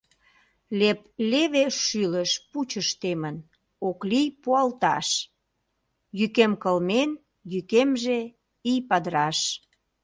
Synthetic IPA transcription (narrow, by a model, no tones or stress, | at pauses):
lepleβeʃyləʃput͡ɕəʃt̪emən | oklijpuɑlt̪ɑ̰ʃ | jykemkəlmen | jykemʒe | ijpɑd̪əɾɑʃ